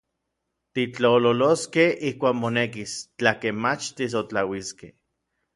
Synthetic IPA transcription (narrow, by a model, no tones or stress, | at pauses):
t̪it͡ɬaololoskehihkʷaːkmonekist͡ɬakemmat͡ʃt̪is̬ot͡ɬawiskḛh